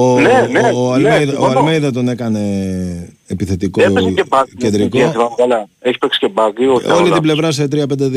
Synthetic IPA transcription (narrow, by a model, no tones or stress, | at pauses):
oneneɐlmeðɐoɐlmejðɐt̪o̞ne̞kɐne̞ː | piθe̞t̪ikoeeacend̪ɾikoɐvɐkɐlɐeçi̥peksi̥cebɐɡlioolit̪ible̞vɾɐset̪ɾiɐpend̪e